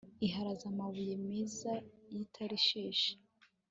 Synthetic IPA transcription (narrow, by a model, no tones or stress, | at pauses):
iɦaɾazamaβujemezajitʰaɾiʃeːʃe̥